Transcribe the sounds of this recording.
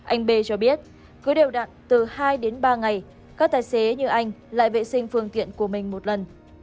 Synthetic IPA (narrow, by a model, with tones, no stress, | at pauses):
ʔa˧jŋ̟ɓe˧t͡ɕɔ˧ɓi˦˥ət̚ | kɨ˨˦ɗe˨˩wɗa̰ː˧˨nt̪ɨ˨˩haː˧jɗe˨˦nɓaː˧ŋa˨˩j | kaː˦˥k̚t̪aː˨˩jse˨˦ɲɨ˧ʔa˧jŋ̟la̰ː˧˨jvḛ˧˨sï˧ŋ̟fɨ˧əŋt̪ḭ˧˨ənku˧˩əmï˨˩ŋ̟mo˨˩t̚lə˨˩n